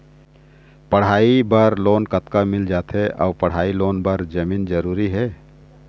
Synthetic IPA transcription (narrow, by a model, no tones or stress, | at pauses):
pəɽ̤aːibəɾloːnkət̪kamɪld͡ʒaːt̪ɦɛʔɔ̰ːʊpəɽ̤aːiloːnbəɾd͡ʒəmiːnd͡ʒəɾuːɾiɦɛː